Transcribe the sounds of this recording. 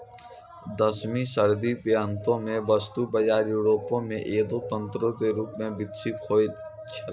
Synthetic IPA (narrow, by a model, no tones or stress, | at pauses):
d̪ɐsmĩsɐɾd̪ipjaːnt̪õmẽbɐst̪ubɐd͡ʒaːɾjuːɾoːpõmẽʔeːd̪oːt̪ə̃nt̪ɾõt̪eɾuːpmẽbɪt̪sit̪kʰoːid̪ | t͡ʃʰɐ